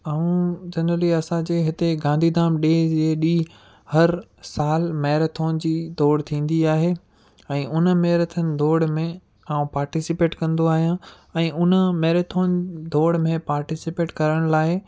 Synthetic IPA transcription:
aːũd͡ʑɐnɾəliɐsãd͡ʑeːɦɪt̪eɡãːnd̪ʱid̪ʱaːmɗeːd͡ʑeːɗiː | hɐɾsaːlmɛːɾt̪ʰoːnd͡ʑiːd̪ʱoːɽt̪ʰĩːn̆d̪iaːɦeː | ɛ̃ːʔʊn̆mɛːɾət̪ʰənɪ̆d̪ʱoːɽmẽ | aːũpaːɾʈɪsɪpeːʈkɐ̃nd̪oaːɦijã | ɛ̃ːʔʊnəmɛːɾət̪ʰoːnd̪ʱoːɽmẽpaːɾʈɪsɪpeːʈkɐɾəɽ̃laːɪ

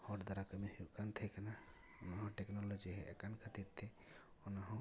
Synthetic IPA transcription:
hɔʈd̪aɾakəmɛhuʔkant̪ʰɛkana | ɔnaɦɔ̃ʈɛknɔlɔd͡ʒiɦɛʔɛ̰kankʰat̪it̪ʰːɛ | ɔnaɦɔ̃

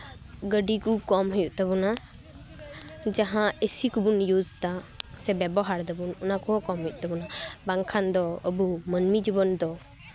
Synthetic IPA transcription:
ɡəɖikukɔmɦɔjuʔt̪aβɔna | d͡ʒaɦãesikubunjud͡ʒt̪asɛbɛbɔɦaɽd̪ɔbunɔnakɔɦɔkɔmɦɔjuʔt̪abɔnabaŋkʰand̪ɔəbumənmid͡ʒubənd̪ɔ

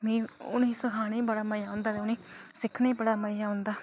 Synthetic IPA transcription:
mĩːʊnĩːsəkʰaːnẽːbəɽaːməjaːʊ̃ːnd̪aːt̪eːʊnĩːsɪkʰneːbəɽaːməɪjaːʊ̃nd̪aː

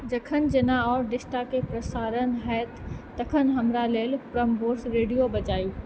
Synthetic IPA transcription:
d͡ʒɐkʰənd͡ʒɪnaɔːɾɖɪsʈakepɾəsaːɾənɦɛːt̪ː | ɐkʰənɦɐmɾaleːlpɾəmboːɾsɾeːɖijobɐt͡ʃaːjuː

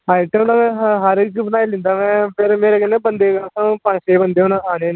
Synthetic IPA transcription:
aːiʈenãmɛ̃ːɦəɾkbənaːilɪ̃nd̪aːmɛ̃ːpʰɪɾmeːɾeːkɪnːẽːbənd̪eːɡaːsãːpə̃ʃeːbənd̪eːʊnãaːneːn

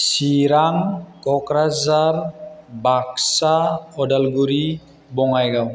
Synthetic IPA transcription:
siɾaŋkɔkɾazaɾbaksaɔdalɡuɾi | bɔŋajɡaw

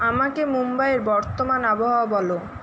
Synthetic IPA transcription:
amakemumbaeɾbɔɾt̪omanaboɦaobɔlo

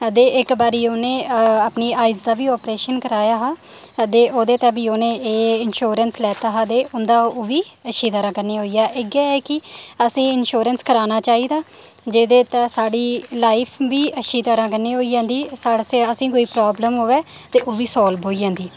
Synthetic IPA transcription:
əd̪eːʔɪkbaːɾiːoːnẽːapniːaːɪzd̪aːʋiːɔːpɾeːʃənkəɾaːjaːɦaː | əd̪eːʔoːd̪eːt̪ɛ̃ːbiːoːnẽːeːɪnʃoːɾənslɛːt̪aːɦad̪eːʔʊnd̪aːʋiːəʃiːd̪aːɾãːkəɾniːɦoːiːaːʔɪɡɛːɛːkɪəsĩːɪnʃoːɾənskəɾaːnaːt͡ʃaːiːd̪aː | d͡ʒeːd̪eːt̪ɛ̃ːsaːɽiːlaːɪpʰʋiːəʃiːd̪aːɾãːk̬əniːɦoːiːd͡ʒãːnd̪iːsaːɽseəsĩːkoːiːpɾɔːbləmɦoːʋeː | t̪eːʔoːʋiːsɔːlbɦoːiːd͡ʒãːnd̪iː

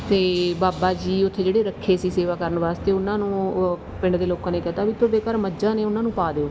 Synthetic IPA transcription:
t̪eːbaːbaːd͡ʒiːʊt̪ʰːeːd͡ʒeːɽeːɾəkʰːeːsiːseːʋaːkəɾənʋaːst̪eːʊnãːnũː | pɪ̃ɳɖd̪eːloːkãːneːkɛːt̪aːbiːt̪ʊɾd̪eːkəɾməd͡ʒãːneːʊnãːnũːpaːd̪eːoː

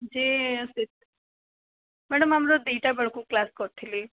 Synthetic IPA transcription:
d͡ʒiːəsit̪̚ | mɛɽəmamɾod̪iːʈabəɭkũklaskɔʈʰili

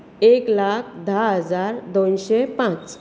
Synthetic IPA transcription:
eklakʰd̪ʱaɦəd͡zaɾd̪onɕepãt͡s

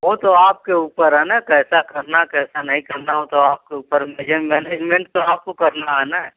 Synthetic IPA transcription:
ɦot̪oaːp̚keuːpəɾɦɛnakɛːsakɐɾnakɛːsanɐɦĩkɐɾnaɦot̪oaːp̚keuːpəɾmed͡ʒemɛːneːd͡ʒmẽɳʈ̚t̪oaːp̚kokɐɾnaɦɛna

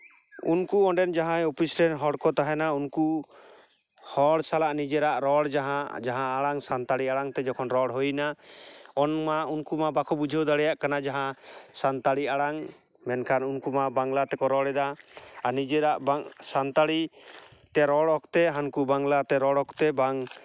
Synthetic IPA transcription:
unkuɔɳɖɛnd͡ʒaɦãjopʰisɾɛnɦɔɽkɔt̪aɦɛnaunku | hɔɽsalaʔnid͡ʒɛɾaʔɾɔɽd͡ʒaɦãd͡ʒaɦãːɽaŋsant̪aɽiaɽaŋt̪ɛd͡ʒɔkʰɔnɾɔɽɦojna | ɔnmaunkumabakʰɔbud͡ʒʱəwd̪aɽɛjaʔkanad͡ʒaɦãsant̪aɽiaɽaŋ | mɛnkʰanunkumabaŋlat̪ɛkɔɾɔɽɛd̪aanid͡ʒɛɾaʔbasant̪aɽit̪ɛɾɔɽɔkt̪ɛɦankubaŋlat̪ɛɾɔɽɔkt̪ɛbaŋ

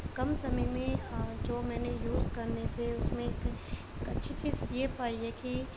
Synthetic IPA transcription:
kɐmsɐməjmẽd͡ʒoːmɛːnejuːzkɐɾnet̪ʰeʊsmẽk | kɐtːʃʰit͡ʃiːzjepaːieki

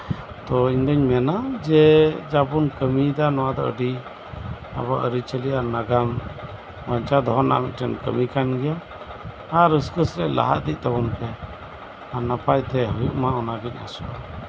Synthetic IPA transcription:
t̪ɔiɲd̪ɔɲmɛnad͡ʒɛd͡ʒapunkəmid̪anɔwad̪ɔ̰ʔə̰ɖi | a̰baʔəɾit͡ʃəliaɾnaɡam | baɲt͡ʃad̪ɔɦɔna̰ʔmḭt̪̚ʈʰənkə̰mikanɡɛjaː | ɾəskəsɾɛʔla̰ɦa̰ʔd̪iʔ̚t̪abɔnt̪ɛ | aɾnapajt̪ɛɦujuʔmaɔnaɡiɲa̰sɔ

